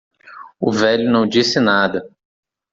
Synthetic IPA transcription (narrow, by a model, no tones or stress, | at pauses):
ʊvɛʎʊnɐ̃w̃d͡ʒisɪnad̪ɐ